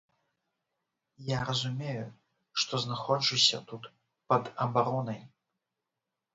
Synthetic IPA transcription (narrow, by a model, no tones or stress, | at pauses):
jaɾɐzumʲeju | ʂt̪ɔznaxɔt͡ʂɨsʲɐ̰t̪ut̪ | pɐd̪ɐbaɾɔnɐj